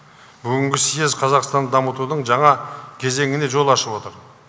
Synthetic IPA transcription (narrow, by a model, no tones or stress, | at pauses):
bʏɡʲɪŋɡʲɪsije̞zqʰɑzɑqst̪ɑnd̪ɑmət̪ud̪əɴʒɑɴɑkʲʰe̞ze̞ŋɪne̞ʒo̞lˠɑʃəpwo̞t̪əɾ